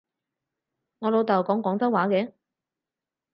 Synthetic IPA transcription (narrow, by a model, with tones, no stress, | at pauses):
ŋɔː˨˧lo˨˧wt̪ɐ˨˩wkɔː˨˥ŋkɔː˨˥ŋt͡sɐ˥waː˨˥kɛː˨˧˥